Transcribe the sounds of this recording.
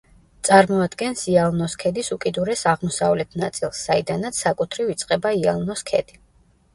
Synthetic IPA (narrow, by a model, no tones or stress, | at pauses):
t̪sʼaɾmɔad̪ɡɛnsialˠnɔskʰɛd̪isukʼid̪uɾɛsaʁmɔsavlɛt̪ʰnat̪sʼilˠsːaid̪anat̪sʰsːakʼut̪ʰɾivit̪sʼqʼɛbaia̰lˠnɔskʰɛ̰d̪̥i